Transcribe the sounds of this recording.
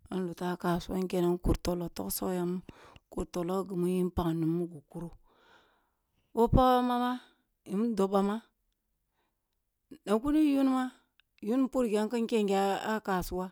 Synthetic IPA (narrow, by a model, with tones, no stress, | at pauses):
ə˦nlu˨ta˦ka˨su˦wa˦ŋ˦ke˨na˦n˦ku˨ɾto˨lo˨to̰˦kso̰˦ja˦m˦ku˨ɾto˨lo˦ɡə˨mu˦ji˦n˦pa˨ŋ˨nu˨mːu˦ɡu˨ku˦ɾu˦ | wo˦pa˦a˦ma˦ma˦ | i˨mu˦do˨ba˨ma˦ | na˨ku˦ni˦ju˦n˦ma˦ | ju˦n˦pu˦ɾɡʲa˦ŋ˦kə˦ŋ˦ke˦ŋɡa˦a˦ka˨su˦wa˦